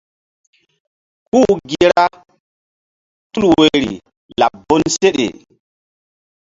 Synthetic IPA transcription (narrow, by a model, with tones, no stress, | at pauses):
ku˦ɡi˨ɾa˦ | tu˦lwe˨ɾḭ˨ | la˨bːo˦nse˦ɗḛ˨